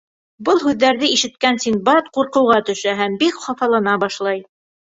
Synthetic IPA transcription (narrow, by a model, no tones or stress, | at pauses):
bɤlˠɦʉðːæɾðɘiʃɘ̆t̪̚kænsinbɑt̪quɾqɤ̆wʁɑt̪ɵ̆ʃæɦæmbikχɑfɑlˠɑnɑbɑʃlˠɑj